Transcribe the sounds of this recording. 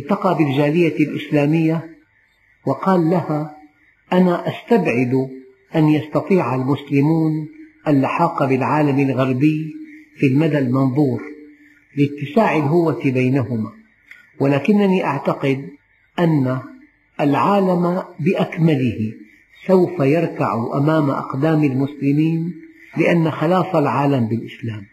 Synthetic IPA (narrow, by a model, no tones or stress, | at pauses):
ʔɪt̪ɑqɑːbɪld͡ʒaːlɪjalʔɪ̰slaːmɪjːa | wɪqɑːlːaha | ʔanaʔast̪abʕɪd̪ | ʔanjɑst̪ɑt̪ˤiːʕalmʊslɪmuːnʔalːaħɑːqɑbɪlʕaːlamalɣaɾˤbɪjfilmad̪almɪnðˤuːɾ | lɪt̪ːɪsaːʕɪlɦʊwːat̪bajnahʊma | wɪlaːkɪnːaniʔaʕt̪aqɪd̪ | ʔanːaː | lʕaːlamabɪʔakmalɪhɪ | sawfajɑɾˤkaʕuʔa̰maːma̰ʔɑ̰qd̪aːmalmʊslɪmiːn | lɪʔanːaxɪlaːfalʕaːlambɪlʔɪslaːm